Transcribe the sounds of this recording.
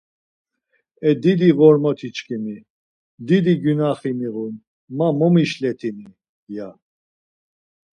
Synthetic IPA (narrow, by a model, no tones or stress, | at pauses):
ɛd̪id̪iɣɔɾmɔt̪ʰit͡ʃkʰʼimi | d̪id̪iɡynaχimiɣun | mamɔmiʃlɛt̪ʰini | ja